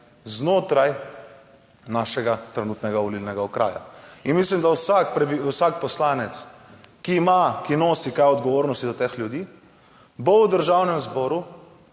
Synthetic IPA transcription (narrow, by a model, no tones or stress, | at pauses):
znoːt̪ɾaj | naːʃɛɡat̪ɾɛnuːt̪nɛɡaʋɔlilnɛɡaɔkɾa̰ːja̰inmislimd̪awsakpɾɛbiwsakpɔslaːnɛt̪skiːmakinoːsikajɔd̪ɡɔʋoːɾnɔst̪izat̪eːxlʲjud̪iː | bowd̪əɾʒawnɛmzbɔːɾu